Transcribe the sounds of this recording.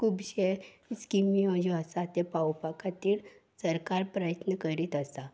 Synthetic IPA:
kʰuːbɕe | skimiɔd͡ʑuəsat̪epawpakat̪iːɽ | səɾkaɾpɾəjət̪nəkəɾiːt̪əsa

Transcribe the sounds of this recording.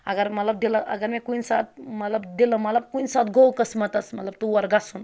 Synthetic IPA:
ɐɡəɾmɐt̪ləb̚d̪iləʔɐ̰ɡəɾmekunsa̰t̪̚mɐt̪ləbd̪iləmɐt̪lɐb̚kunsat̪ɡʱowkəsmɐt̪ɐsmɐt̪lɐb̚t̪uʋɐɾɡasun

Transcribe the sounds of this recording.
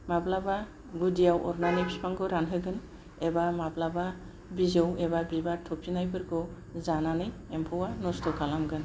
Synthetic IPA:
maplaba | ɡudijawɔɾnanipspʰaŋɡɯɾanɦɯɡɯn | ebamablaba | bizɯwebabibatʰɔpʰinajbɯɾɡɯ | zananɯjempʰɔwanɔstɔkʰalamɡɯn

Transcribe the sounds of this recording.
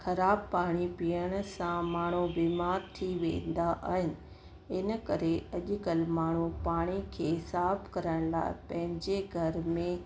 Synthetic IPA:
xɐɾaːb̚paːɽ̃ipiəɽ̃̆sãmaːɽ̤̃ubimaːɾt̪ʰiʋḛ̃ːn̆d̪aʔa̰ːɦɪnɪ̆ | ɪnə̆kɐɾeɐʄʊkəlmaːɳ̤upaːɽ̃ikʰeɦsaːbkɐɾəɽ̃la̰ːɪpɐ̃ɦɪ̃ɲd͡ʑeɡʱɐɾmẽ

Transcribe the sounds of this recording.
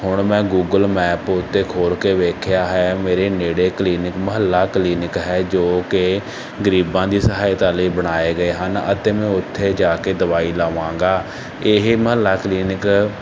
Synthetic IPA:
hʊɳmɛ̃ːɡuːɡəlmɛːpʊt̪ʰːeːkʰoːlkeːʋeːkʰjaːɦɛːmeːɾeːneːɽeːkliːnɪkməɦəlːaːkliːnɪkɦɛːd͡ʒoːkɪ | ɡəɾiːbãːd̪iːsəɦaːit̪aːliːbəɽ̃aːeːɡəeːɦənə̰t̪eːmɛ̃ːʊt̪ʰːeːd͡ʒaːkeːd̪əʋaːiːlaːʋãːŋɡaː | eɦməɦəlːaːkliːnɪk

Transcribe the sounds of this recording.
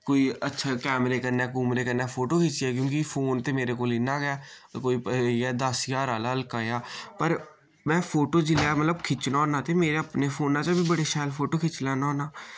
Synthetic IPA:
koːiːətːʃʰaːkɛːmɾeːkəɾnɛːkumɾeːkəɾnɛːpʰoːʈoːkʰɪt͡ʃɪɛːkjõːkɪpʰoːnt̪eːmeːɾeːkoːlɪnaːɡjaːkoːiːpːɛːd̪aːsjaːɾaːlaːəlkaːjaːpəɾ | mɛ̃ːpʰoːʈoːd͡ʒɪlaːmət̪ləbkʰɪt͡ʃnaːoːnaːt̪eːmeːɾeəpneːpʰoːnaːt͡ʃãbʱiːbəɽeːʃaːjlpʰoːʈoːkʰɪt͡ʃlaːnaoːnaː

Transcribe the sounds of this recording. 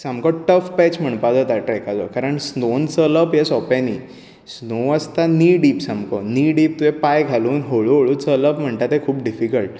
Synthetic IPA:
samkɔʈəfpɛt͡ɕm̤əɳpad͡zɔt̪aʈɾɛkad͡zɔ̰kaɾəɳsnont͡sələpjesɔpɛ̃niː | snoəst̪aniːɖiːpsamkɔniːɖiːp̚t̪uɛpajɡʱaluːnɦoɭuoɭuːt͡sələpm̤əɳt̪at̪ekʰuːp̚ɖifikəlʈ̚

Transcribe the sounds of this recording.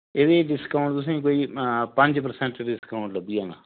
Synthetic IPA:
ed̪eːɖɪskaʊ̃ɳʈt̪ʊs̬ẽːkoːiːpə̃ɲd͡ʒpəɾsɛ̃ɳʈːɖɪskaʊ̃ɳʈləbiːɦɛ̃ːŋɡa̰ː

